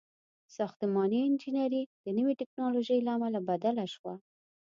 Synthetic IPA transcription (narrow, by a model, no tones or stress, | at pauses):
sɑxt̪əmɑniɪnd͡ʒinaɾid̪̥ənəweʈɪknɑloʒəjlaamalabad̪alaʃwa